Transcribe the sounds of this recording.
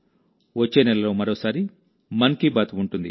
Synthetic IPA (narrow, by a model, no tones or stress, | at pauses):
ʋɐt͡ʃːeːnɛlɐlo̞ːmɐɾo̞ːsaːɾi | mɐnkibaːt̪uuɳʈund̪ḭ